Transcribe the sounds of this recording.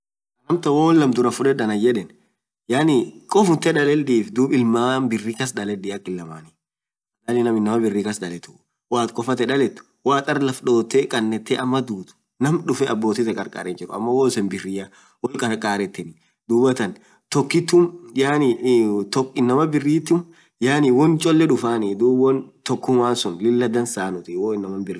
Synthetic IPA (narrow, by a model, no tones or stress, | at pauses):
ɐnɐmt̪ɐwoːlːɐmd̪ʊɾɐfʊᶑɛᶑɐnɐjɛᶑɛn | jaːnɪkʼɔfʊnt̪ːɛᶑɐlɛld̪iːfd̪uːbɪlmaːnbɪrːiːkɐsd̪ɐlɛd̪ɪːɐkːɪlːɐmaːni | ɐdaːnːɪnɐmɪnːɐmɐbɪrːiːkɐsd̪ɐlɛt̪ʊ̥ | waːt̪kʼɔfɐt̪ɛᶑɐlɛt̪ːʊ̥ | waːt̪ʼɐɾlɐfɗo̞ːt̪ːeːkʼɐnːɛt̪ːeːʔɐmːɐd̪uːt̪ʊ̥ | nɐmᶑʊfɛʔɐbːo̞ːt̪ɪt̪ɛkʼɐɾkʼa̰ːɾɛnd͡ʒɪɾʊɐmːɐwoːsɛnbɪrːɪjɐ | wɔkʼɐɾkʼaːɾɛt̪ːɪnɪ | d̪uːbɐt̪ɐn | t̪ɔkːɪt̪ːumjaːnit̪ɔkɪnːɐmɐbɪrːiːt̪ːʊn | jaːnɪwɔnt͡ʃʼɔlːɛᶑʊfaːnɪd̪uːbɔnt̪ɔkːʊmwaːnsʊnlɪlːɐd̪ɐnsaːnʊt̪ɪwoːɪnːɐmɐnbɪrː